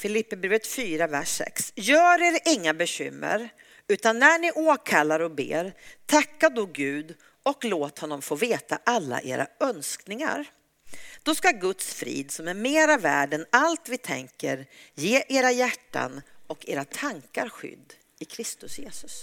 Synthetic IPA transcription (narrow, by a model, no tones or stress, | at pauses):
fɪlɪpːɛbɾeːvət̪fyːɾavæʂːɛ̰ksjœːɾeːɾɪŋːabɛɕʏ̰mːə̰ɾ | ʉ̟ːt̪anːæɳɪʔoːkʰalːaɾɔbḛːɾt̪ʰakːad̪ɔɡʉ̟ːd̪ | ɔkloːt̪hɔnːɔmfoːveːt̪a̰ʔalːa̰ʔḛːɾa̰œnsknɪŋa̰ɾ | d̪̥ɔskaɡɵt̪sfɾḭːd̪sɔmæɾmeːɾavæ̰ːɖɛnalt̪vɪt̪ʰɛ̰ŋkəɾjeːʔeːɾajæʈːa̰nɔkeːɾat̪ʰaŋkaɾɧʏ̰d̪ː | ɪkʰɾɪst̪ɵsjeːsɵ̥s